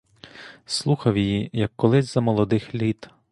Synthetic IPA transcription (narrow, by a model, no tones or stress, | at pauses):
slˠuxɐwjijijɐkːɔlˠɪzʲzɐmɔlˠɔd̪ɪxlʲit̪